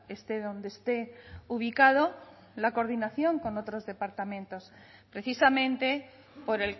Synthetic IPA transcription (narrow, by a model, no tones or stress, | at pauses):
est̪eðo̞nd̪eːst̪e̞uβ̞ikað̞o̞ | lako̞ɾðinaθjo̞ŋko̞no̞t̪ɾo̞zðe̞paɾt̪amẽ̞nt̪o̞s | pɾe̞θisamẽ̞nt̪e̞ | po̞ɾel